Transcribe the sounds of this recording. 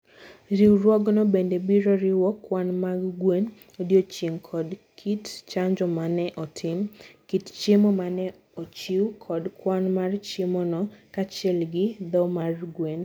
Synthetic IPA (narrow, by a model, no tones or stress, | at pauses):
ɾiwɾwɔɡnɔbendebiɾɔɾɪwɔkwanmaɡɡwen | odjot͡ʃiŋkʰɔdkʰitt͡ʃaɲd͡ʒɔmanɛʔɔtʰɪmkitt͡ʃemɔmanɛ | ot͡ʃiwkʰɔdkwanmart͡ʃemɔnɔkat͡ʃɛlɡɪd̪ɔmarɡwen